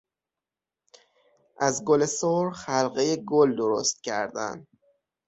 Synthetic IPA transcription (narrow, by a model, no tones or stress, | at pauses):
ʔæzɡolesoɾxælɢejeɡold̪oɾo̰st̪̚cʰæ̰ɾd̪æ̰n